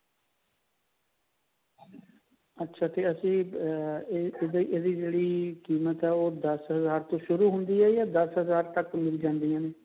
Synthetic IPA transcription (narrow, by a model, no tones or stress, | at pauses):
ətːʃʰaːt̪eːəsĩː | d̪iʔeːd̪iːd͡ʒeːɽiːkiːmət̪ɛːoːd̪əsɦəzaːɾt̪õːʃʊɾuːɦʊnd̪iːɛːjaːd̪əsɦəzaːɾt̪əkmɪld͡ʒãːnd̪ijãːneː